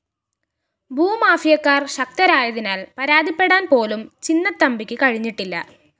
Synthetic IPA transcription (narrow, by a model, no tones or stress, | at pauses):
bʱuːmaːfijɐkːaːrɕɐk̚t̪ɐɾaːjɐðinaːlpɐɾaːd̪ʱipːe̞ɽaːnpo̞ːlumt͡ɕinːɐt̪ːɐmbikʲːɨkɐɻiɲːiʈːilːɐ̰